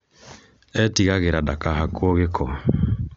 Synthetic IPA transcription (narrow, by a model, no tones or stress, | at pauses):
ɛtiɣaɣeɾadakahakwoɣekʰɔ